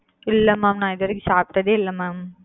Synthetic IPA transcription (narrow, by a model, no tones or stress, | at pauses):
ɪlːɐmaːmnãːɪðɐɾɯk̬ʲːisaːp̚ʈːɐðeːɪlːɐmaːm